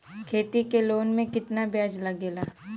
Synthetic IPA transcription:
kʰeːt̪ikeloːnmẽkɪt̪nabjaːd͡ʒlɐɡeːlaː

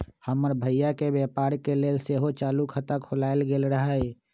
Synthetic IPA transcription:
həməɾbʱəjakebjepaːɾkelelseɦot͡ʃaːlukʰət̪əkʰolaːelɡeːlɾəɦə

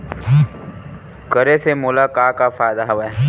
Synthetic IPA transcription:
kəɾesemoːlakaːkafaːjd̪aɦɐʋɛ

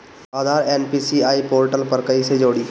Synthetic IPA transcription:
aːd̪ʱaːɾeːnpiːsiaːipoːɾʈəlpəɾkəised͡ʒoːɽiː

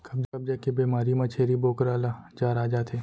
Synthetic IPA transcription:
kɐbd͡ʒɐb̚d͡ʒakebeːmaːɾimɐt͡ʃʰeːɾiboːkɾaːlad͡ʒaːɾaːd͡ʒat̪ʰeː

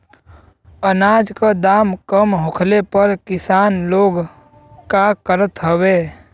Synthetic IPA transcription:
ənaːd͡ʒkad̪aːmkəmɦʊkʰlepəɾkɪsaːnloːɡ | kakəɾət̪ɦəweː

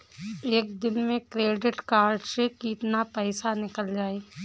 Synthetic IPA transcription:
eːk̚d̪ɪnmẽkɾeːɖɪʈkaːɾɖsekiːt̪napɛːsanɪkəld͡ʒaːeː

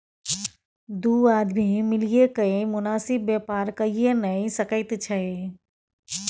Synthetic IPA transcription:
d̪uːaːd̪mimɪlijekɐẽmʊnaːsɪbːeːpaːɾkɐienɐĩsɐkəɪt̪t͡ʃʰɐe

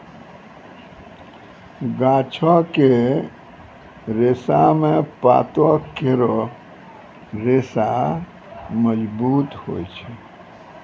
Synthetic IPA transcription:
ɡat͡ʃʰɔke | ɾesamepa̰t̪ɔkeɾɔ | ɾesa | məd͡ʒbut̪ho̰jt͡ʃʰɛ

